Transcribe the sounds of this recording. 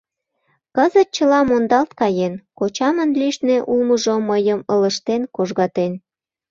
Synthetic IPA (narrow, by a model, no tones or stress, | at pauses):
kəzət̪̚t͡ɕəlɑmond̪ɑlt̪kɑjenkot͡ɕɑmənliʃneʔulməʒoməjəmələʃt̪enkoʒɣɑt̪en